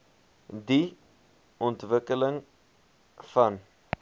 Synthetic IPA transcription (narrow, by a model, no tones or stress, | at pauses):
di | ɔntvəkələŋ | fɐn